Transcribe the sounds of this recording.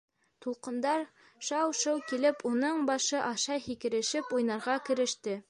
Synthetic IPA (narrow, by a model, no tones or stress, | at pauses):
t̪ulˠqɤ̆nd̪ɑɾ | ʃɑwʃɤwkilɘpʰunɤɴbɑʃɤʔɑʃɑjhikɘ̆ɾɘ̆ʃɘpujnɑɾʁɑkɘ̆ɾɘ̆ʃt̪ɘ